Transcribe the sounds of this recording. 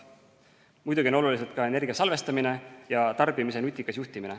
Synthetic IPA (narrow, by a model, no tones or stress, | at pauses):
mujd̪uɡʲio̞no̞lulis̬e̞lt̪̚kɑe̞ne̞rɡ̥iɑsɑlve̞st̪ɑmine̞jɑt̪ɑrbimise̞nut̪ʲːˑikːˑɑsjuht̪imine̞